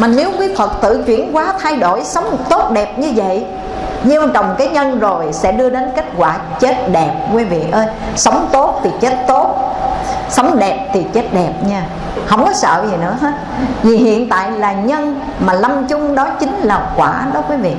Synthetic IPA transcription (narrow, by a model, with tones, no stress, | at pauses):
maː˨˩ne˨˦wkwi˨˦fə˨˩t̚t̪ɨ̰˧˨t͡ɕwḭ˧˩ənkwaː˨˦t̪ʰa˧jɗo˧˩jsə˨˦wŋ͡mt̪o˦˥t̚ɗɛ˨˩p̚ɲɨ˧və̰˧˨j | ɲi˧t͡ɕə˨˩wŋ͡mkaː˨˦jɲə˧nzo˨˩jsɛ̰˧˥ɗɨ˧əɗe˨˦nke˦˥k̚kwaː˧˩ | t͡ɕe˦˥t̚ɗɛ˨˩p̚kwi˨˦vḭ˧˨ʔəː˧j | sə˨˦wŋ͡mt̪o˦˥t̚t̪ʰi˨˩t͡ɕe˦˥t̚t̪o˦˥t̚ | sə˨˦wŋ͡mɗɛ˨˩p̚t̪ʰi˨˩t͡ɕe˦˥t̚ɗɛ˨˩p̚ɲaː˧˩ | hə̰˧˩wŋ͡mkɔ˨˦sə̰ː˧˨zi˨˩nɨ̰˧˥əɦəː˨˦ | vi˨˩ɦḭ˧˨ənt̪a̰ː˧˨jlaː˨˩ɲə˧n | maː˨˩la˧mt͡ɕʊ˧ŋ͡mɗɔ˨˦t͡ɕï˨˦ŋ̟laː˨˩kwaː˧˩ɗɔ˨˦kwi˨˦vḭ˧˨